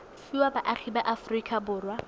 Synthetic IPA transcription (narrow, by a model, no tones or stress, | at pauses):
fiwabaʔaχʰibaʔafrikʼʰabʊːrwa